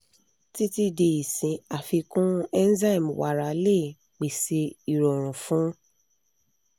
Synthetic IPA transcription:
ti˦ti˦de˧i˨sĩ˨˧a˨fi˧kũ˦ɛ˦n̩˦za˦i˦˨m˨wa̰˨ɾa˨˦le˦˨ | k͡pe˨se˧i˨ɾɔ˨ɾ̃ũ˨fũ˦

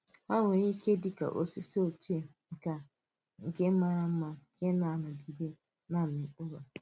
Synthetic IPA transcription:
a˦ŋʷʊ˨ɾi˦ke˦dɪ˦ka̰˨ʔo˦si˦so˦˨t͡ʃe˦˨ŋ̩˨ka˨ | ŋ̩˨ɡe˦ma˦ɾa˦m̩˦ma˦ke˦na˨nʊ˨ɡi˨de˦ | na˦˨mɪ˨ʊ˦ɾo˨

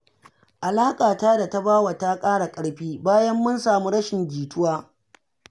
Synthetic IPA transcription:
ʔa˨laː˦kʼaː˨taː˦da˨ta˦baː˦wa˨ta˦kʼaː˦ɽa˨kʼɐ˦ɽɸiː˦baː˦jɐ˦mːʊ˦nsaː˨mu˦ɽɐ˦ʃɪ˨ŋɡʲiː˨tʊ˦waː˦

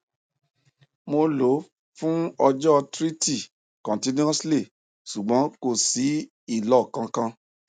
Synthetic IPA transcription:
mo˧lo˨˦ | fũ˦ɔ˧d͡ʒɔ˦˧tɾi˦ti˦˨ | kɔ̃˨ti˦nĩ˦ɔ˦sle˦˨ | ʃu˨ɡ͡bɔ̃˨˦ko˦˨si˨˦ | i˦˨lɔ˦˨kã˧kã˧

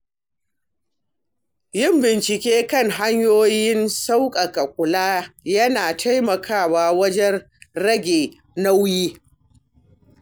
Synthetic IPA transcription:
jɪ˦mbɪ˨nt͡ʃɪ˨kʲeː˦kɐ˦ŋɦa˦ɲjoː˦jɪ˦nsa˦wkʼɐ˨kɐ˨kʷʼʊ˨laː˦jɐ˦naː˨tʰa˦jmɐ˨kʰaː˦˨waː˨wɐ˦d͡ʒɛ˦n | ɾɐ˦ɡʲeː˨ | na˦wjiː˦

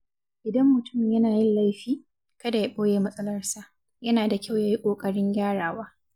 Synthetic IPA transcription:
ʔɪ˨dɐ˦mːʊ˨tʊ˦˨mjɐ˦naː˨jɪ˦nla˦jɸiː˦ | kɐ˦da˨ja˦ɓʼoː˦jeː˦mɐ˦sʼɐ˦lɐ˦rsa˨ʔ | jɐ˦naː˨da˨kʲa˦˨wjaː˦ji˦kʷʼoː˨kʼɐ˦ɽɪ˦ɲɡʲaː˦ɽaː˨waː˦

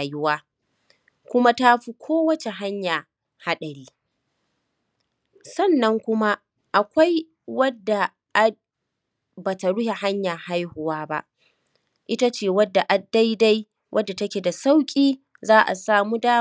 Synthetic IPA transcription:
jʊ˦waː˦ | kʷʊ˦ma˦ta˦ɸi˦kʷʰoː˦wɐ˦t͡ʃe˨ɦa˦ɲjaː˨ | ha˦ɗɐ˨ɽiː˦ | sɐ˦˨nːɐ˦ŋkʷʊ˦ma˦ | ʔa˨kʷa˦j | wɐ˦dːa˨ | ʔa˦ | ba˨ta˨ɽʊ˦he˨ha˦ɲjaː˨ha˦jhʊ˨waː˦ba̰˦ʔ | ʔɪ˦ta˦t͡ʃeː˨wɐ˦dːa˨ʔa˨dːa˦jda˦j | wʔɐ˦dːa˨tɐ˦kʲe˨da˨sa˦wkʲʼiː˦ | zaː˦ʔa̰˨saː˨muː˦daː˦

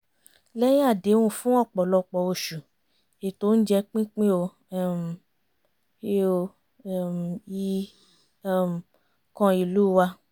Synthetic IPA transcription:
lɛ˦j̃a˦˨de˨˦wũ˦fũ˦ɔ˦˨k͡pɔ˨lɔ˧k͡pɔ˨o˧˨ʃu˨ | e˨to˦n̩˦d͡ʒɛ˧k͡pĩ˦k͡pĩ˦o˧˦˨ | m˨ | e˦o˧˨ | mi˦ | m˨ | kɔ̃˧i˨lu˨˦˨wa˧

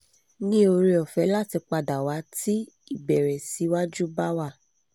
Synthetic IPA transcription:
nĩ˦o˧ɾe˧ɔ˨fɛ˨˧˦la˦˨ti˧k͡pa˧da˨wa˨˦ti˦ | i˦˨bɛ˨ɾɛ˨si˨˦wa˦d͡ʒu˦ba˦wa˦˨

